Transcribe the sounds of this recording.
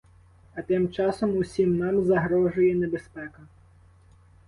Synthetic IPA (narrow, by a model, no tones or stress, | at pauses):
ɐt̪ɪmt͡ʃɑsɔmʊsʲimnɑmzɐɦɾɔʒʊjɛnebespɛkɐ